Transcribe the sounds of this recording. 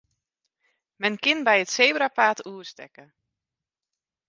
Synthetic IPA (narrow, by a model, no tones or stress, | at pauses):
mɛnkɪnbɛjətsejbɾapaːtuəstɛ̰kə